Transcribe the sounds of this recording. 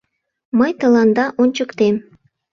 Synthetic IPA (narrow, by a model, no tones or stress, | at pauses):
məjt̪ə̆lɑnd̪ɑʔonʲt͡ɕəkt̪em